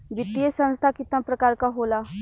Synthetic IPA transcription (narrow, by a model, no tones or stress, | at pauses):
ʋɪt̪ijesə̃nst̪ʰakɪt̪nãpɾəkaːɾkaɦoːla